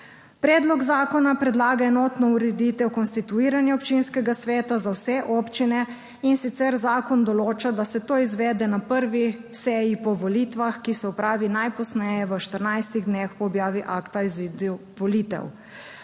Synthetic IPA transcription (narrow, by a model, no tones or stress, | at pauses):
pɾɛːd̪lɔɡzaːkɔnapɾɛd̪laːɡaɛnɔːt̪nɔuɾɛd̪iːt̪ɛwkɔnst̪it̪uiːɾanjɛɔpt͡ʃinskɛɡasʋɛːt̪azawsɛʔɔːpt͡ʃinɛ | insit̪sɛɾzaːkɔnd̪ɔloːt͡ʃad̪asɛt̪oːizʋɛːd̪ɛnapəɾʋisɛːjipɔʋɔliːt̪ʋaxkisɛɔpɾaːʋinajpɔsnɛjɛʋəʃt̪əɾnajst̪iɣd̪nexpɔːbjaːʋiʔakt̪azid̪ | ʋɔliːt̪ɛ̰w